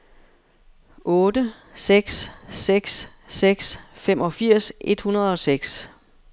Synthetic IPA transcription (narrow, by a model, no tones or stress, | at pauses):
ʔɔ̽ːdə | seɡ̥sːeɡ̥sː | eɡ̥sfem̰ɒ̽fiɐ̰se̝d̥hunɐð̞ˠɒ̽seɡ̥s